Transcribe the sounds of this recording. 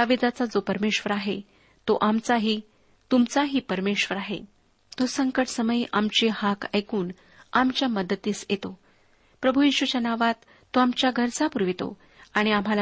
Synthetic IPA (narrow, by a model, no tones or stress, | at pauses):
aʋid͡z̪at͡sad͡zopəɾmeɕʋəɾaɦe | t̪oʔamt͡saɦiː | t̪umt͡saɦiːpəɾmeɕʋəɾaɦḛ | t̪osəŋkəʈsəməjʔamt͡ɕehaka̰jkuːn | amt͡ɕjaməd̪ət̪iːsjet̪o | pɾəbʱujiɕʋut͡ɕanaʋat̪ːoamt͡ɕjaɡʱəɾt͡sapuɾʋit̪o̰ | aɽ̃iamɦala